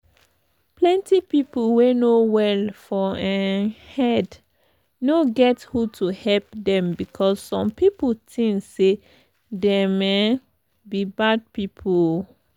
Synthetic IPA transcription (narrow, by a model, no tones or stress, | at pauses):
plɛ̃ntipipulwenowɛlfɔɛ̃nhɛd | noɡɛthutʰuhɛlp̚dɛ̃mbikʰɔsːɔ̃mpiputʰĩŋse | dɛme | bibad̚pipʰul